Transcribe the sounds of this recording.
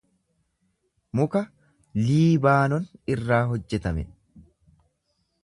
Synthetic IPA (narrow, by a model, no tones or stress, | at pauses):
mʊkɐ | liːbaːnɔnɪrːaːɦɔd͡ʒːɛt̪ɐmɛ̰